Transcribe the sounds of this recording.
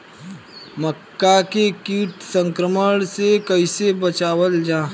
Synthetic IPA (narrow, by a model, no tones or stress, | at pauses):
məkːakekiːʈsə̃ŋkɾəməɽ̃sekəɪsebət͡ʃaːwəld͡ʒaː